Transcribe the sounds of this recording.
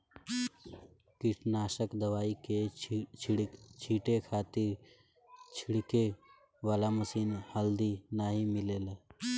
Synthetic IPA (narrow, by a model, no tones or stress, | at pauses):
kɪʈʰnaːʃəkd̪əʋaːike | t͡ʃʰiːʈekʰaːt̪ɪɾ | t͡ʃʰɪɽke | ʋaːlaməsiːnhəld̪inaːɦimɪleːle